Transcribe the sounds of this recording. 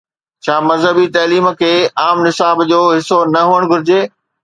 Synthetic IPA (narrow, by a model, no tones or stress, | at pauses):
t͡ɕʰaːmɐzɦəbit̪ɐːliːm̆kʰeːaːmnɪsaːbd͡ʑoːɦɪsonɐɦuəɽ̃ɡʱʊɾɪd͡ʑeː